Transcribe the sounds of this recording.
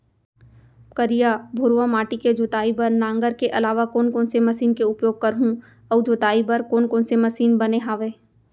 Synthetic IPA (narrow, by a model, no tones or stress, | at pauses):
kəɾijabʱʊɾʋamaːʈiked͡ʒoːt̪aːibɐɾnãːŋɡəɾkeʔɐlaːʋakoːnkoːnsemɐsiːnkeʊpjoːɡ̚kɐɾɦũ | ɔːd͡ʒoːt̪aːibɐɾkoːnkoːnsemɐsiːnbɐneɦaːʋeː